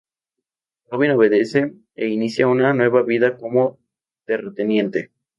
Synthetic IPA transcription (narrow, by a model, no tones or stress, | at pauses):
roβino̞β̞e̞ðe̞se̞ | einisjaunanwe̞βaβiðako̞mo | t̪eret̪enje̞nt̪e̞